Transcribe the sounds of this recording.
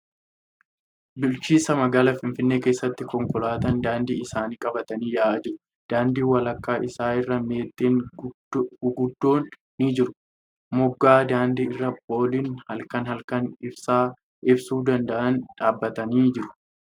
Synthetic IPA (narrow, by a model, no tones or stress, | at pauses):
bʊlt͡ʃiːsɐmɐɡaːlɐfɪnfɪnːe̞ːke̞ːsːɐt̪ːɪkɔŋkʼɔlaːt̪ɐnd̪aːnd̪iːɪsaːniːkʼɐbɐt̪ɐniːjaːd͡ʒɪɾʊ | d̪̥aːnd̪iːwɐlɐkːaːʔɪsaːɪrːɐme̞ːt̪ʼːeːn | ɡʊd̪ːo̞ːnː | id͡ʒɪɾʊ̥ | mʊɡːaːd̪aːnd̪iːɪrːɐp̚o̞ːliːnhɐlkɐnhɐlkɐnɪbsaː | ʔɪbsuːd̪ɐnd̪ɐʔɐnᶑaːbːɐt̪ɐniːd͡ʒɪɾʊ̥